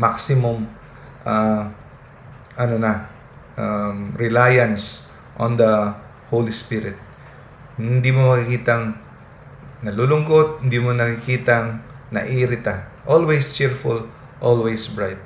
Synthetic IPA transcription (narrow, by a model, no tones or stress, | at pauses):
maksɪmʊm | ʔa | ʔɐnonɐ | aɾɪlaːjɐns | ʔond̪ɐ | howlispiɾɪt̪̚ | hɪnd̪imomɐkɪkiːt̪ɐŋ | nɐlulʊŋɡo̞t̪̚hɪnd̪imonɐkɪkiːt̪ɐŋnɐʔiːɾɪt̪ɐʔolwejst͡ʃɪɹfʊl | ʔolwejsbɹajt̪̚